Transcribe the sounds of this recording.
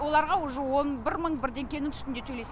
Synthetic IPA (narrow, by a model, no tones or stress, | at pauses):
wo̞lˠɑɾʁɑʊʒəwo̞nbɪɾməɴbɪɾd̪e̞ŋkʲe̞nɪŋʏst̪ɪnd̪et̪ʰɵle̞s